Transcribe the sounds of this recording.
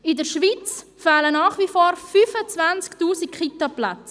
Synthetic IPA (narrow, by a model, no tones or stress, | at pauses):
ɪdəɾʃʋit͡s | faːlənɑːχvifoːɾfyfət͡svant͡sktuːsikχitapla̰t͡s